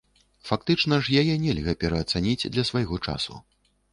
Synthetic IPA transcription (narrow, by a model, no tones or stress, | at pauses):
fak̚t̪ɨt͡ʂn̪ɐʐjajɛnʲɛlʲɣɐpʲɛɾɐːt̪sanʲid͡zʲd̪lʲɐsvajɣɔt͡ʂa̰sṵ